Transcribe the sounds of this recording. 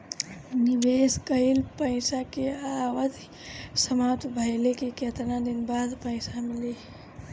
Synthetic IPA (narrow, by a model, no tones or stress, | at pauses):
nɪbeskəɦilpə̃ɪsakeawəd̪ʱ | səmaːt̪bʱəɪlekeket̪nad̪inbaːd̪pəɪsamɪle